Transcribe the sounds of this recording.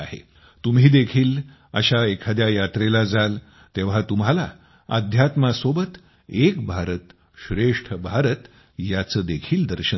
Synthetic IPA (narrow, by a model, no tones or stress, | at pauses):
aɦḛ | t̪umɦiːd̪ekʰiːl | ə̰ɕaekʰad̪jajat̪ɾelad͡zʱal | t̪eʋ̤at̪umɦala | ə̰d̪ʱjat̪masobət̪ | ekbʱaɾət̪ | ɕɾeʂʈʰəbʱaɾət̪ | jat͡səːd̪ekʰiːld̪əɾɕə